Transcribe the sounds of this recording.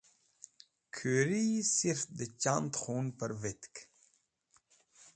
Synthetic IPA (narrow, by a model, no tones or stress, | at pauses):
kʰyɾiːsiɾt̪̚d̪ət͡ɕant̪χunpəɾvɪt̪k